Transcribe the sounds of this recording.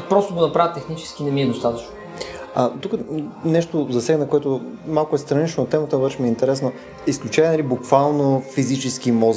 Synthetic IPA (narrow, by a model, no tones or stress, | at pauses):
pɾɔst̪oɡonɐpɾavət̪ːɛxnit͡ʃɛ̥skinɛmiɛd̪ost̪at̪ɐt͡ʃno | at̪ukənɛʃt̪ozɐsɛɡnəkoɛt̪ʊmalˠkʊɛst̪ɾɐnit͡ʃnot̪ːɛmət̪əbəɾʃɛmiɛint̪ɛɾɛsno | isklʲut͡ʃɛnɐlibukvalˠnofizit͡ʃɛsk̟imɔz